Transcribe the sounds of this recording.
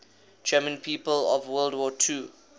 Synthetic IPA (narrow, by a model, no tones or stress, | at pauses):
d͡ʒɛmə̃npʰiːpəlɔvwəldwɔːtʰuː